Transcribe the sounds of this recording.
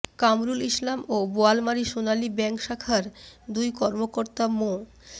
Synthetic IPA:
kamɾuliʃlamoboalmaɾiʃonalibɛŋkʃakʰaɾd̪ujkɔɾmokoɾt̪amo

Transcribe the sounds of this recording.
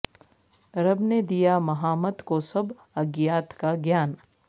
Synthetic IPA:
ɾɐbned̪ijamɐɦaːmət̪kosɐb | ɐɡjaːt̪kaɡjaːn

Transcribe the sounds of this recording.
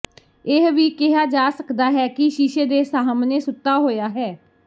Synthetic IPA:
ɪɦʋiːkɪɦaːd͡ʒaːsəkd̪aːɦɛːkɪʃiːʃeːd̪eːsaːəmneːsʊt̪ːaːɦoːjaːɦɛː

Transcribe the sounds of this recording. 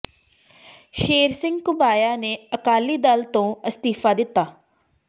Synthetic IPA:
ʃeːɾsɪ̃ŋɡkʊbaːjaːneːəkaːliːd̪əlt̪õːəst̪iːfʰaːd̪ɪt̪ːaː

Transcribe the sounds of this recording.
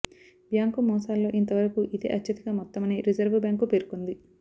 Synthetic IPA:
bjaːŋkumɔːsaːlːo̞ːʔint̪ɐʋɐɾɐkuʔid̪e̞̰ːʔɐt͡ʃːt͡ʃːɐt̪ɐɡaːmɔt̪ːɐmɐneɾid͡ʒɐɾʋubjaːŋkupeːɾukund̪i

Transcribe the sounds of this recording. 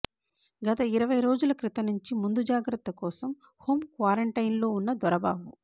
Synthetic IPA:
ɡɐt̪ɐiɾɐʋɐjɾo̞ːd͡ʒulɐkɾit̪ɐnuɲt͡ʃimund̪ud͡ʒaːɡɾɐt̪ːɐkɔːsɐm | hoːmkʋaːɾɐɳʈɐjinlo̞ːunːɐd̪ʋɐɾɐba̰ːbu

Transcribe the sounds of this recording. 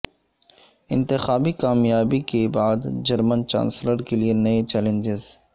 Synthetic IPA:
ɪ̰̃nt̪ɪxaːbikaːmjaːbikebaːd̪d͡ʒəɾmənt͡ʃã̰ːnsləɾkelienɐet͡ʃɛːlẽnd͡ʒɪz

